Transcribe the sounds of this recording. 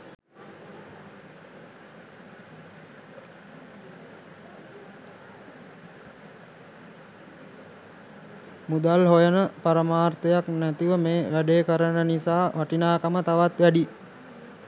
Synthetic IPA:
mud̪alɦojənəpaɾəmaːrt̪əjaknæt̪iʋəmeːʋæɖeːkəɾənənisaːʋaʈinaːkamət̪aʋat̪ʋæɖi

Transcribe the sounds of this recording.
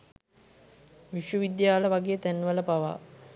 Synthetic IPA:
ʋiʃʋəʋid̪jaːləʋaɡeːt̪ænːʋələpaʋa̰

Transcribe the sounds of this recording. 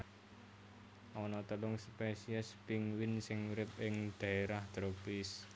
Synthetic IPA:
ʔɔnɔt̪əlʊŋspesiɛspiŋwɪnsɪŋɾɪp̚ɪŋd̪̥ä̤eɾahd̪̥ɾopɪs

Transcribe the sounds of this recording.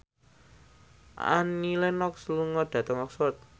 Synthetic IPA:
a̰nilɛnɔk̚sluŋɔd̪̥ä̤t̪əŋɔksɔt̪̚

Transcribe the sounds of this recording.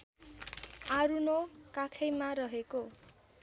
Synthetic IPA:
aɾunokakʰʌjmaɾʌɦeko

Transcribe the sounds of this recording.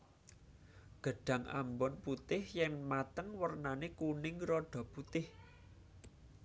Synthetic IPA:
ɡ̥ə̤ɖ̥ä̤ŋa̰mbɔnput̪ɪhjɛŋmat̪əŋwərnanekunɪŋrɔɖ̥ɔ̤put̪ɪh

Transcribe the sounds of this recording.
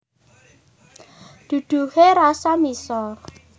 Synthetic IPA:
d̪̥ṳd̪̥ṳheɾasamisɔr

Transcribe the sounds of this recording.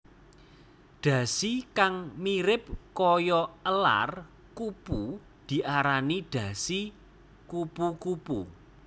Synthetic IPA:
ɖ̥ä̤sikaŋmiɾɪp̚kɔjɔəla̰r | kupu | d̪̥i̤ʔaɾaniɖ̥ä̤si | kupukupṵ

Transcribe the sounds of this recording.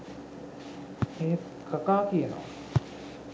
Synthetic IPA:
eɦ | kɐkaːkiena̰ː

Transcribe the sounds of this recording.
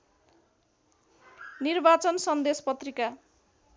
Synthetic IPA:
nirbat͡sʌnsʌnd̪espʌt̪rika

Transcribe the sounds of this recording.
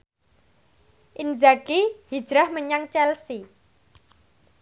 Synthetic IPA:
ʔind͡ʒaɡihi̥d͡ʒ̥ɾahməɲaŋt͡ʃɛlsi

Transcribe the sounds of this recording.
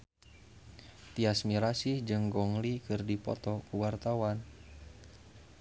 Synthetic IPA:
t̪iasmiɾasihd͡ʒɨŋɡɔŋlikɨrdipɔ̰t̪ɔkuwart̪awan

